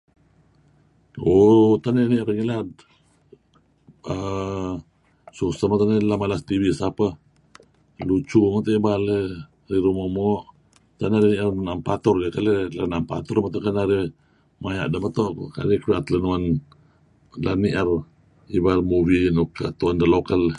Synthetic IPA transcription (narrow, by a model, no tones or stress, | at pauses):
ot̪aneniərŋilad̪̚ | ə | susəmat̪anelamalast̪iwisapə | lut͡ʃuŋat̪oʔibale | ɾiɾumomɔʔ | t̪anaɾiniʔarnampat̪ɔrɡakalelanampa̰t̪ɔrmat̪oʔkanaɾe | maja̰ʔdamət̪oʔko̰ka̰ɾikɾiat̪lənuan | laniʔər | ibarmubinukət̪uandalokal